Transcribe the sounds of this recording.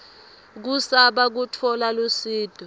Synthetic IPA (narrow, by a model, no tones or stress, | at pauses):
k̬usaɓak̬utʰɔlalusiːd̥ʱɔ